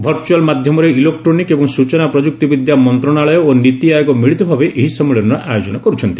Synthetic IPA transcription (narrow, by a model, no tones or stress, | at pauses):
bʱɔɾt͡ʃualmad̪ʱjɔmɔɾeilekʈɾonikebɔŋsut͡ʃɔnapɾɔd͡ʒuk̚t̪ibid̪jamɔnt̪ɾɔɽaɭɔjɔonit̪iajɔkɔmiɭit̪ɔbʱabeʔeɦisɔmːiɭiɾnɔʔajod͡ʒɔnɔkɔɾut͡ʃʰɔnt̪i̥